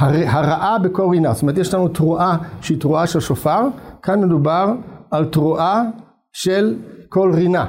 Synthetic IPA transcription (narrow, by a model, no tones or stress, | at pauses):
haɦaʁaʔabeko̞lʁinastometjeʃlanut̪ʁuʔaʃeitʁuaʃelʃofaʁkʰanme̞dubaʁalt̪ʁuʔa | ʃelkolʁina